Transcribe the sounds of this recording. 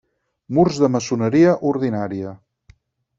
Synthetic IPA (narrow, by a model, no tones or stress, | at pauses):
murzðəməsunəɾiəʔuɾðinaɾiə